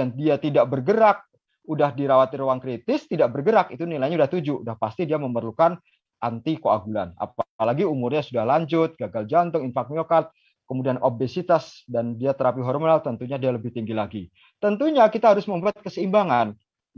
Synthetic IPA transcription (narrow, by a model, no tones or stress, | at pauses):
andiat̪idaʔbərɡəɾak̚ | udahdiɾawat̪ɪrwaŋkɾit̪ɪst̪idaʔbərɡəɾakit̪unilajɲaudaht̪ud͡ʒudahpast̪idiaməmərlukan | ʔant̪ikoa̰ɡula̰na̰palaɡiumʊrɲasudahlaɲd͡ʒʊt̪̚ɡaɡald͡ʒant̪ʊŋinfak̚miokat̪̚ | kəmudianʔobesit̪asdandiat̪əɾapiɦɔrmonalt̪ənt̪uɲadialəbɪht̪iŋɡilaɡi | t̪ənt̪uɲakit̪aɦaɾʊsməmbuat̪̚kəsəimbaŋan